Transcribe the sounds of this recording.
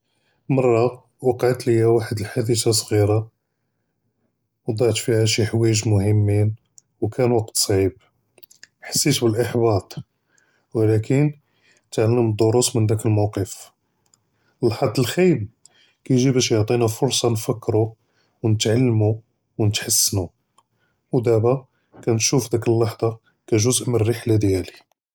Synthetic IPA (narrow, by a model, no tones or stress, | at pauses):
mɑrˤːɑ | wɑqʕt̪ləjːæwaħəd̪əlħad̪əsasˤɣiɾɑ | wd̪ˤɑʕt̪fihæʃiħwæjəʒmʊhəmːin | wkʰænwɑqt̪sˤʕib̚ | ħḁsːit̪bəlʔəħbɑt̪ˤ | wlækʰən | t̪ʕalːəməd̪ˤːoɾusmənd̪ækəlmɑwqəf | əlħɑd̪ːəlxijl | kæjʒibæʃjoʕt̪ˤinafʊɾsˤɑnfəkːɾu | wnət̪ʕalːmu | wnət̪ħasːnu | wd̪æbæ | kænʃufd̪ækəlːɑħd̪ˤɑ | kæʒʊzʔmərːiħlad̪jæli